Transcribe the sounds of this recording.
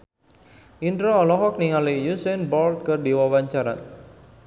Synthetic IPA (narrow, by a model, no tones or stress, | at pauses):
ʔindɾɔːlɔɦɔk̚niŋalijusɛnbɔlt̪̚kərdewawaɲt͡ʃaɾa̰n